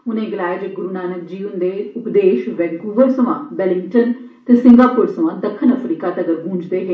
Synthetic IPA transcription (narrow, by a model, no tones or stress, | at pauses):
ʊnẽːɡəlaːed͡ʒəɡʊɾuːnaːnək̚d͡ʒiːʋənd̪eːʊpd̪eːʃʋɛːɡuːʋəɾsəʋãːbɛːlɪ̃ŋʈən | t̪eːsɪ̃ŋɡaːpʊɾsəʋãːd̪əkʰːənəpʰɾiːkaːt̪eəɡəɾbʱũːɲd͡ʒd̪eːɦeː